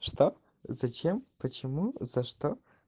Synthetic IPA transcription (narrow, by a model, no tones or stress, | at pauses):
ʂt̪o | zɐt͡ʃʰempət͡ʃʰɪmuz̥ɐʂt̪o